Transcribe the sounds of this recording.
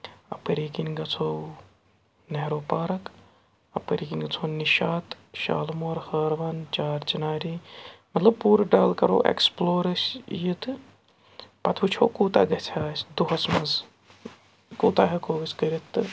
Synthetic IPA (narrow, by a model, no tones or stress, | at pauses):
ɐ̰pəɾiːkinɡɐt͡sʰow | neɦɾoːpaːɾɐk | ɐpəɾikinɡɐt͡sʰoːniʃaːt̪ | ʃa̰ːlmoːɾhəːɾʋɐnt͡ʃaːɾd͡ʒɐnaːɾiːmɐt̪lɐb̚puːɾɖaːlkɐɾo̰ːʔḛksploːɾəsjit̪ɨ | pɐt̪ʰʋut͡ʃʰoːkuːt̪a̰ːɡɐt͡sʰaːsd̪uɦɐsmɐz | kuːt̪aːɦɐkoːɡɐskɐɾit̪ːɨ